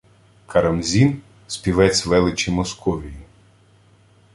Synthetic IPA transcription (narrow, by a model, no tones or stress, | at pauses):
kʰɐɾɐmzʲin | sʲpʲiʋɛt͡sʲʋɛlˠɪt͡ʃʲimɔskʰɔʋʲiji